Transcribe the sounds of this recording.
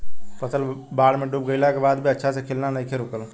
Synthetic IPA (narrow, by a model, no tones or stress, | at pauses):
pəsəlbaːɽmẽɖuːp̚ɡəɪlakebaːd̪bʱiɐtːʃʰasekʰeːlnanaĩkʰeɾʊkəl